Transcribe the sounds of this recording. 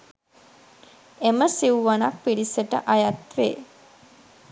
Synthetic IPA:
eməsiuʋanak̚piɽisəʈə̰ʔajat̪ʋeː

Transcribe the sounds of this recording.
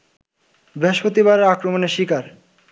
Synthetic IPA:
bɾeɦoʃpot̪iβaɾeɾakɾomoneʃikaɾ

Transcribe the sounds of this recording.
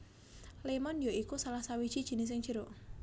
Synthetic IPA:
lemɔnjoʔikusalahsawid̥ʒ̥i̤d̥ʒ̥i̤nɪs̬ɪŋʒ̥ə̤ɾo

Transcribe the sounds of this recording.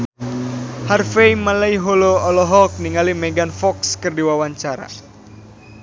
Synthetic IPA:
harfejmalajɦoloɔlɔɦɔk̚niŋalimɛɡanfɔkskɨrdiwawaɲt͡ʃaɾa̰

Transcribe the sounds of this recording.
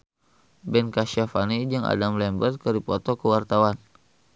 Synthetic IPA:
bɛnkaʃafanid͡ʒəŋa̰damlɛmbər̚kəɾipɔt̪ɔkəwart̪awan

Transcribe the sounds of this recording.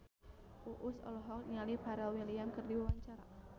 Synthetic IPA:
uʔusɔ̰lɔɦɔkɲalib̥aɾalwiliamkɨrdiwiwaɲt͡ʃaɾa

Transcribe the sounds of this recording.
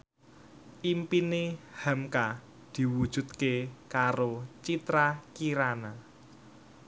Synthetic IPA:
ʔimpinehamka | d̪̥i̤wud̥ʒ̥ṳt̪̚kekaɾot͡ʃit̪ɾakiɾana

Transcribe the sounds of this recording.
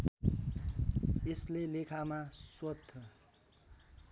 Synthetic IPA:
eslelekʰamaswʌd̪ʱːʌ

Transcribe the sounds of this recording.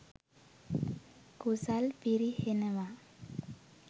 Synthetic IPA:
kusalpiɾihenewa

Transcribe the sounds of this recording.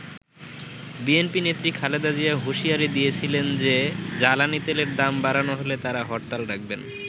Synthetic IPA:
bienpinet̪ːɾikʰaled̪ad͡ʑiaɦuʃiaɾid̪ijet͡ɕʰilend͡ʑed͡ʑalanit̪eleɾd̪ambaɾanoɦolet̪aɾaɦɔʈt̪alɾak̚ʰben

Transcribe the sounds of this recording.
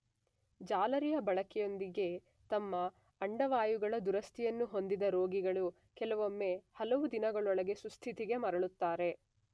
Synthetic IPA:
d͡ʒaːlɐɾijɐbɐɭɐkɛjo̞nd̪iɡe̞ | t̪ɐmːɐː | ɳɖɐʋaːjuɡɐɭɐd̪uɾɐst̪ʰijɐnːuɦo̞nd̪id̪ɐɾo̞ːɡiɡɐɭu | kɛlɐʋo̞mːe̞ːhɐlɐʋud̪inɐɡɐɭɔɭɐɡe̞sust̪ʰit̪iɡe̞mɐɾɐɭut̪ːaːɾe̞

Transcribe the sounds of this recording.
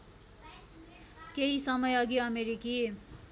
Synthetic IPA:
keɦisʌmʌjʌɡiʌmeɾikie

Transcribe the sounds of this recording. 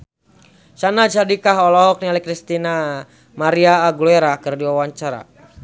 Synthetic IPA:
sanat͡ʃadikaɦɔlɔɦɔk̚nialɛkɾist̪ina | maɾiaːɡuluɛɾakərdiwawaɲt͡ʃaɾa̰

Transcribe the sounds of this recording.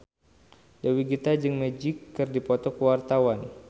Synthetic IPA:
dawiɡit̪ad͡ʒɨŋmɛd͡ʒɪkːɨrdipɔt̪ɔkəwart̪awan

